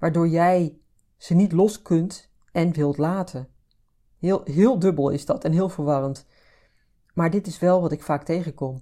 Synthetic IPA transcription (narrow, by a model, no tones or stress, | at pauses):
ʋaːɹdʊːɹjɛj | z̥ənitlɔskɵnt | ɛnʋɪlˠtlaːtʰən | lɦɪːlˠdɵbəlˠɪ̰zdɑtɛnɦɪːlˠvəɹʋɑrənt | maːɹdɪtɪsʋɛlˠʋɑtɪkfaːk̚tejχənkɔm